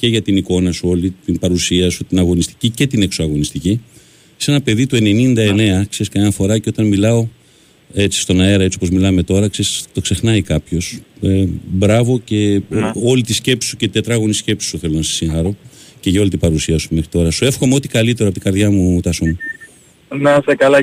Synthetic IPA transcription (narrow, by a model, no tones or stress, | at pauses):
ce̞ʝɐt̪iniko̞nɐsuo̞lit̪imbɐɾusiɐsut̪inɐɣo̞nist̪i̥cice̞t̪ine̞ksoɐɣo̞nist̪ici | se̞nɐpe̞ðit̪ue̞ne̞nind̪ɐe̞ne̞ɐkseskɐnɐfo̞ɾɐceo̞t̪ɐnmilɐo̞ | e̞t͡si̥st̪o̞nɐe̞ɾɐe̞t͡ssio̞po̞zmilɐme̞t̪o̞ɾɐksest̪o̞kse̞xnɐikɐpço̞sebɾɐvo̞ce̞o̞lit̪isce̞psi̥suceit̪e̞t̪ɾɐɣunisce̞psi̥suθe̞lo̞nɐsɐ̥sːiŋxɐɾo̞ce̞ʝɐo̞lit̪ibɐɾusiɐsumexɾit̪o̞ɾɐsue̞fxo̞meo̞t̪i̥kɐlit̪e̞ɾoɐpot̪iɡɐɾðʝɐmut̪ɐsun | nɐsekɐlɐ